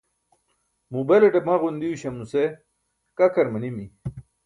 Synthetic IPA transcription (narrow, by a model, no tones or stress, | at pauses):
mubeleʈepmaɣund̪iuɕɐmuse | kɐkɐɾmɐnimi